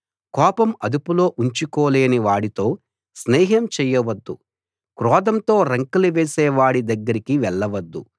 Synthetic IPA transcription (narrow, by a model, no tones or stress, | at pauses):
kɔːpɐmɐd̪upulo̞ːʔuɲt͡ʃikoːleːniʋaːɽit̪o̞ː | snɛːɦɐmt͡ʃɛːjɐʋɐd̪ːu | kɾɔːd̪ɐmt̪o̞ːɾɐŋkuluʋeːsɛːʋaːɽid̪ɐɡːɐɾikiʋɛɭːɐʋɐd̪ːu